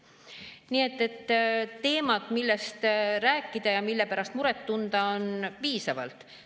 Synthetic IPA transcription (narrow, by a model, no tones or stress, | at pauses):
nie̞t̪ːe̞t̪ːe̞ːmɑt̪milːe̞st̪ræːkːˑid̪̥ɑjɑmilːe̞pæɾɑst̪muɾe̞t̪ːund̪̥ɑonpiːsɑvɑ̰lt̪ˑ